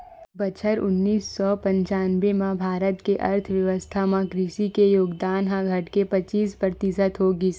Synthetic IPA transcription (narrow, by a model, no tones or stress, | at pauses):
bɐt͡ʃʰəɾʊnːiːsːɔpə̃ɲt͡ʃaːnʋemãbʱaːɾət̪keʔɐ̰ɾt̪ʰʋjɐʋəst̪ʰamãkɾiʃikejoːɡd̪aːnɦãɡʱɐʈkepɐt͡ʃiːspɾət̪ɪsət̪ɦoɡiː